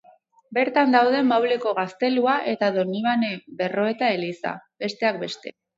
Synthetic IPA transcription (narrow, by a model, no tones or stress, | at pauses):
be̞ɾt̪and̪awð̞e̞mawle̞ko̞ɣ̞ast̪e̞luaʔe̞t̪aðo̞niβanebe̞ro̞e̞t̪ae̞lisa̰be̞st̪e̞ak̚be̞st̪e̞